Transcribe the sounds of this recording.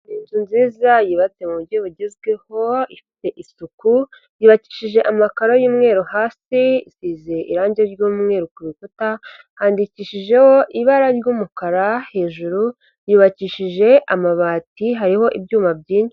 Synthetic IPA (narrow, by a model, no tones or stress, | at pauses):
iːnzunziːzajiːβat͡semuβuɾɟoβuɟezɡwe̞ho̞ifi̥te̞ʔisuku | jiːβaciːʃiʒe̞ʔamakaɾojuːmŋe̞ːɾuhaːsiisiːzeʔḭɾaːɲɟieɾɟuːmŋe̞ːɾukuβikota | haːndiciːʃiʒe̞ho̞ʔiβaɾaɾɟuːmukaɾahe̞ːʒuɾu | jiːβaciːʃiʒe̞ʔamaβaːtiɦaɾiho̞ʔibɟuːmabɟiːɲi